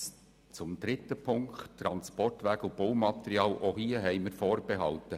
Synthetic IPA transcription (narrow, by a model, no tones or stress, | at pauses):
t͡sʊmd̪ɾɪtəpʰʊŋkttɾɑnspɔrtʋæːɡʊb̥oʊmɑt̪eɾiɑːlʔohiəɦɛɪmɪɾfoːɾb̥eɦɑlt̪ə